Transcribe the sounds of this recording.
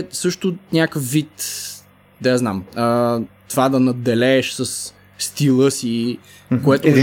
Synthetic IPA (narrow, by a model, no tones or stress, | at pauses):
sɤʃt̪ʊnʲakəfvit̪ | d̪ɐjaznamət̪ovad̪ɐnɐd̪ːɛlɛːʃsɐs | st̪ilˠɤsi | koɛt̪ʊ